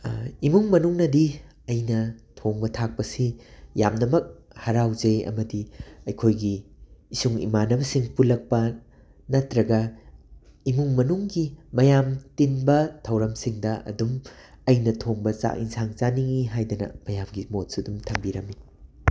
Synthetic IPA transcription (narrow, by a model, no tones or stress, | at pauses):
imuŋmɐnuŋnɐdi | ɐjnɐtʰoŋbɐtʰak̚pɐsijamnɐmɐk̚hɐɾawd͡ʒɐjɐ̰mɐdiɐjkʰojɡiːsuŋḭmanɐbɐsiŋpulɐk̚pɐ | nɐtɾɐɡɐ | imuŋmɐnuŋɡimɐjamtinbɐtʰɐwɾɐmsiŋdɐʔɐ̰dumɐjnɐtʰoŋbɐt͡ʃa̰ʔḭnsaŋzaniŋiɦajdɐnɐ̰mɐjamɡimot̚sudumtʰɐŋbiɾɐmːi